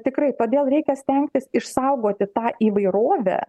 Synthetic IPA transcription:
t̪ʲɪkrɐɪt̪oːd̪ʲeːlˠɾʲɛɪkʲɛsʲt̪ʲɛŋʲk̚t̪ʲɪsɪʃsɐʊɡoːt̪ʲɪt̪ɑːʔiːʋɐɪɾoːʋʲɛ̰

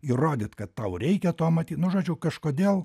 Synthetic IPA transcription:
iroːd̪ʲɪt̪kɐt̪t̪ɐʊɾʲɛɪkʲɛt̪oɔmɐt̪ʲiːt̪nʊʒoːd͡ʒʲʊkɐʃkoːd̪ʲeːlˠ

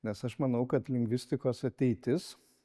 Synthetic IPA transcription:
nʲɛsɐʃmɐnɐʊkɐt̪lʲɪŋʲɡʲʋʲɪsʲt̪ʲɪkoːsɐt̪ʲɛɪt̪ʲɪs

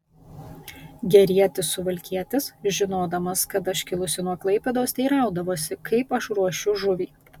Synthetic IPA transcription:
ɡʲɛɾʲiɛt̪ʲɪsʊʋɐlʲkʲiɛt̪ʲɪsʒʲɪnoːd̪ɐmɐskɐt̪ɐʃʲkʲɪlˠʊsʲɪnuɔklˠɐɪpʲɛd̪oːst̪ʲɛɪɾɑˑʊd̪ɐʋoːsʲɪkʰɐɪpɐʃɾuɔʃʲʊʒʊʋʲiː

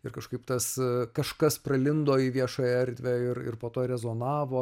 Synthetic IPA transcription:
ɪrkɐʃkɐɪpt̪ɐskɐʃkɐspɾɐlʲɪnd̪oːiːʋʲiɛʃoːjɛɐɾʲd̪ʲʋʲæɪɾɪ̰rpoːt̪oːɾʲɛzoːnɑːʋoː

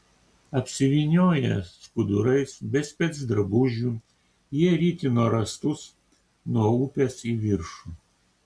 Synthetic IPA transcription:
ɐpʲsʲɪʋʲiːnʲoːjɛskʊd̪ʊɾɐɪsbʲɛsʲpʲɛt̪sd̪ɾɐbuːʒʲuː | jiɛɾʲiːt̪ʲɪnuɔɾɐst̪ʊs | nuɔuːpʲɛsiːʋʲɪɾʃuː

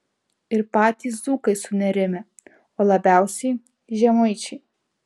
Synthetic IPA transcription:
ɪɾpɑːt̪ʲiːs̬zuːkɐɪsʊnʲɛɾʲɪmʲɛ | oːlˠɐbʲæˑʊsʲɛɪ | ʒʲɛmɔɪt͡ʃʲɛɪ

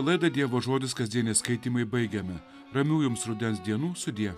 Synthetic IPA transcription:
lˠɐɪd̪ɐd̪ʲiɛʋoːʒoːd̪ʲɪskɐzʲd̪ʲiɛnʲɛskɐɪt̪ʲiːmɐɪbɐɪɡʲɛmʲɪ | ɾɐmʲuːjʊmsɾʊd̪ʲɛnsd̪ʲiɛnuːsʊd̪ʲiɛ

